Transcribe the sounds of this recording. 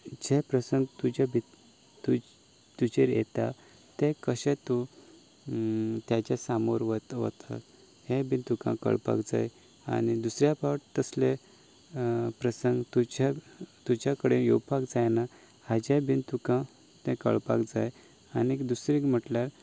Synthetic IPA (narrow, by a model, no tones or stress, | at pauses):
d͡ʑepɾəsəŋɡt̪ud͡ʑabʱi | u | t̪ud͡ʑeɾjḛt̪a | t̪ẽkəɕɛ̃t̪u | t̪jat͡ɕasamoɾʋət̪ʋə̰t̪ʰa̰ | hẽbint̪ukã̰kə̰ɭpa̰kd͡za̰j | a̰nid̪usɾjapaʈt̪əsle | pɾəsəŋɡt̪ud͡ʑat̪ud͡ʑakəɽejowpakd͡zajna | had͡ʑabint̪ukã | t̪ɛ̃kə̰ɭpa̰kd͡zaj | anid̪usɾĩkm̤əʈljaɾ